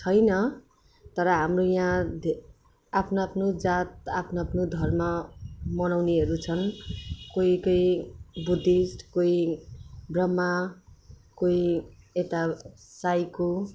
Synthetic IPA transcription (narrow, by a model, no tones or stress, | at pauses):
t͡sʰʌjnʌ | t̪ʌɾʌɦamrojãd̪ʱ | apʰnaapʰnod͡zat̪̚apʰnoapʰnod̪ʱʌrmamʌnawneɦʌɾut͡sʰʌnkoikʌjbud̪isʈkoi | brʌma | koiet̪a | sajko